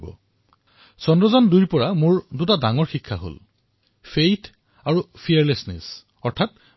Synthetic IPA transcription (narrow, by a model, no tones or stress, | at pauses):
bɔ̰ | sɔndɹɔzɔndujɹpɔɹamʊɹdutadaŋɔɹxikʰːaɦo̰l | fʰejtʰ | aɹupʰijɛɹlesnɛ̰s | ɔɹtʰat̚